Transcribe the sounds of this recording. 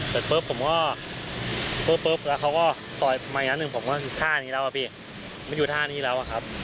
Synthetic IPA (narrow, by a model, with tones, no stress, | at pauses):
sɤː˨˩t̪̚pɤː˦˥pʰːo˩˦mkɔː˥˩ | pɤː˦˥pːɤː˦˥p̚lɛː˦˥wkʰa˦˥wkɔː˥˩ | sɔː˨˩jmaː˧˨˩na˥nːɯ˨ŋpʰo˨˩˦mkɔː˥˩kːt̪ʰaː˥˩niː˦˥lɛː˦˥wʔa˨˧pʰiː˧˩˨ | maː˧˥˩juː˨˩t̪ʰaː˥˩niː˥˩lɛː˦˥wʔa˨kʰa˦˥p̚